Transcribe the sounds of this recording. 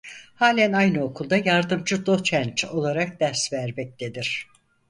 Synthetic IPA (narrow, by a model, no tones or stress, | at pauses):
haːlʲænajnɯo̞kʰulˠd̪ajaɾd̪ɯmd͡ʒʰɯd̪ot͡ʃʰænt͡ʃo̞lˠaɾak̚d̪æɾsvæɾmɛc̚d̪e̞d̪iɾ̥